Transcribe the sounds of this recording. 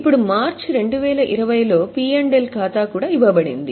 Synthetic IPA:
ipːuɽumaːɾt͡ʃɾe̞ɳɖuʋɛːlɐʔiɾɐʋɐjlo̞ːpiːeɳɖelkaːt̪aːkuːɽaːiʋɐbɐɽḭnd̪i

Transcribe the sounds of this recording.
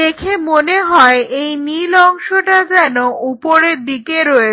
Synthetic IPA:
ekʰemoneɦɔeejnilɔŋʃoʈad͡ʑɛnoʔupoɾeɾd̪ikeɾɔe

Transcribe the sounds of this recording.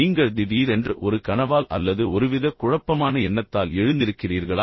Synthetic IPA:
iːŋɡɐɭd̪ɪðiːðɛndrɯʔɔɾɯkɐnɐʋaːlɐ̰lːɐðɯɔɾɯʋɪðɐkʊɻɐpːɐmaːnɐɛɳːɐt̪ːaːlɛɻɯnd̪ɪɾɯkːɪriːɾɣɐɭaː

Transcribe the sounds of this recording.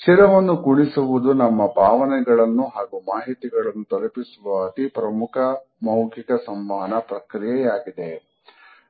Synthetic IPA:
t͡ʃiɾɐʋɐnːukuɳisuʋud̪unɐmːɐbʱaːʋɐnɛɡɐɭɐnːuɦaːɡumaːɦit̪iɡɐɭɐnːut̪ɔlɐpisuʋɐːt̪ipɾɐmukʰɐ | mɐwɡikɐsɐmːaːnɐpɾɐkɾijɛjaːɡid̪e

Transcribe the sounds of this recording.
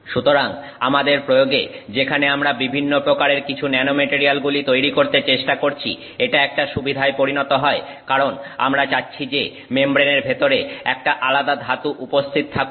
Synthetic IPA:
ʃut̪oɾaŋ | amad̪eɾpɾojoɡḛd͡ʑekʰaneamɾabibʱinːopɾokaɾeɾkit͡ɕʰunɛnomeʈiɾialɡulit̪ojɾikoɾt̪et͡ɕeʃʈakoɾt͡ɕʰḭ | eʈaɛk̚ʈaʃubid̪ʱaepoɾinɔt̪oɦɔe | kaɾona̰mɾat͡ɕatːɕʰid͡ʑe | membɾeneɾbʱet̪oɾeɛk̚ʈaʔalad̪ad̪ɦat̪uʔupost̪ʰit̪̚t̪ʰak

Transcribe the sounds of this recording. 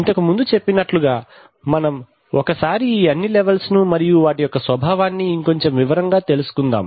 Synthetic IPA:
int̪ɐkumund̪ut͡ʃe̞pːinɐʈluɡaː | mɐnɐm | ɔkɐsaːɾiːɐnːilɛʋɐlsnumɐɾijuʋaːʈijɔkːɐsʋɐbʱaːʋaːnːiːŋko̞ɲt͡ʃe̞mʋiʋɐɾɐŋɡaːt̪e̞lusu̥kund̪a̰ːm

